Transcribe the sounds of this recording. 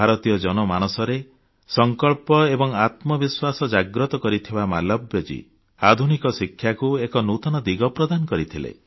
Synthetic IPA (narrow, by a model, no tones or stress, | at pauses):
bʱaɾɔt̪ijɔd͡ʒɔnɔmanɔsɔɾe | sɔŋkɔɭpɔebɔŋat̪mɔbiswasɔd͡ʒaɡɾɔt̪ɔkɔɾit̪ʰibama̰lɔbjɔd͡ʒḭ | ad̪ʱunikɔsikʰjakuekɔnut̪ɔnɔd̪iɡɔpɾɔd̪anɔkɔɾit̪ʰilḛ